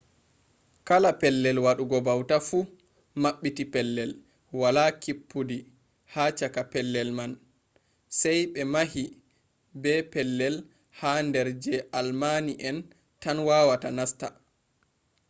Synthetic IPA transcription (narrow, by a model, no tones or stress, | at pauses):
kalapɛlːɛlwaɗuɡɔbawtafu | maɓːitipɛlːɛl | walakipːudi | hat͡ʃakapɛlːɛlman | sɛjɓɛmaɦi | bɛpɛlːɛl | handɛɾd͡ʒɛalmaniʔɛn | tanwaːwatanasta